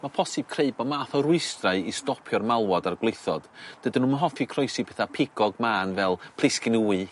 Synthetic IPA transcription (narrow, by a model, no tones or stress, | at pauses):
mapʰɔsɨb̥̚kʰreɨbɔmaːθɔɾʊɨstraɨistɔpʰjɔrmalˠwɔdarɡwlˠejθɔ̰d̥d̥ədənuːmənɦɔfikʰrɔjsibʰɛθapʰɪɡ̥ɔɡmaːnvɛlˠpʰlˠɪskɪnuːɨ